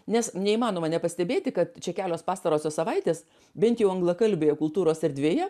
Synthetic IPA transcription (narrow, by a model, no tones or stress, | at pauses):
nʲɛsnʲɛimɑːnoːmɐnʲɛpɐsʲt̪ʲɛbʲeːt̪ʲɪkɐt̪t͡ʃʲɛkʲæːlʲoːspɑːst̪ɐɾoːsʲoːsɐʋɐɪt̪ʲeːs | bʲɛnt̪jɛʊɐŋɡlˠɐkɐlʲbʲeːjɛkʊlˠt̪uːɾoːsɛɾʲd̪ʲʋʲeːjɛ